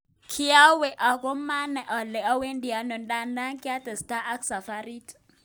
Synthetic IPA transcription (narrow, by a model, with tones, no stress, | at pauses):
kʰi˦ja˦wɛ˨ʔa˨kɔ˦ma˦na˨ʔɔ˨lɛ˨ɔ˦we˦ndi˨a˨nɔ˨nda˦nda˦ŋki˦a˦tɛ˨sta˦ʔa˦ksa˨fa˦ɾi˦t